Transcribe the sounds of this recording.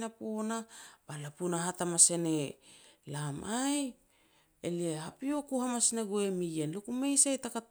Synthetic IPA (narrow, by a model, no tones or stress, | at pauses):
napo̞nab̥alapunaɦatamase̞nelamʔaj | eliehapio̞kuhamasineɡuemijenlukume̞jsajtaka